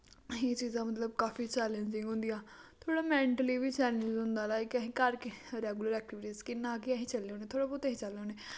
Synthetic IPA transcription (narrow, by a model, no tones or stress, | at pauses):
ɦeːt͡ʃiːzãːmət̪ləb̚kaːfʰiːt͡ʃɛːlɛ̃nd͡ʒɪ̃ŋɡɦʊ̃nd̪ijaːt̪ʰoːɽaːmɛ̃ːɳʈəliːʋiːt͡ʃɛːlə̃nd͡ʒɦʊ̃nd̪aːlaːekəɦĩːkəɾkɪɾɛːɡuləɾɛːk̚ʈɪʋɪʈiːzkɪnãːkiaɦĩːt͡ʃəlːeːoːneːt̪ʰoːɽaːpʊt̪ɛɦĩːt͡ʃəlːeoːneː